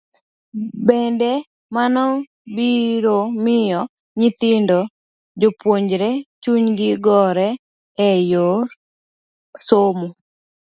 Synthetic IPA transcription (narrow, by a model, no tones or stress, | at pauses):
bɛndɛ | manɔ | biɾomɪjɔ | ɲɪt̪ɪndo | d͡ʒopwoɲd͡ʒɾɛt͡ʃuɲɡɪɡɔɾɛ | ɛjo | somo